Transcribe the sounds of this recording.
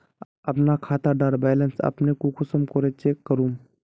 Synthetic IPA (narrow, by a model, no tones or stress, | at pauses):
ɐpnakʰaːt̪aɖaːɾbɛːlənsɐ̰pnekokʊsəmkoɾet͡ʃekəɾuːm